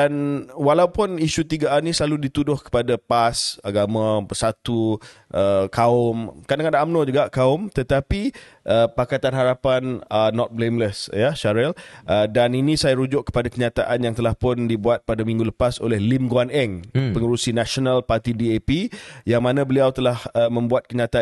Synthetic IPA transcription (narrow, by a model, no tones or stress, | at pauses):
anwalaupʊniʃut̪iɡaʔanĩsəlaludit̪udʊhkə̥padapasaɡamãbəsat̪uʔəkʰaʊmkaʔndaŋandaʔamnod͡ʒuɡaʔkaʊmt̪ət̪api | ʔəpakat̪anɦaɾapanənːɔt̪̚blemləsjaʃaɾɛlʔədaninĩsajaɾud͡ʒʊʔ̚kə̥padakəɲat̪aʔanjaŋt̪əlahpʊndibuat̪̚padamĩŋɡuləpaso̰lɛhlimɡuanɛŋpəŋuɾusinasonalpart̪idiepijaŋmãnãbəliawt̪əlahəmə̃mbuat̪̚kəɲat̪aa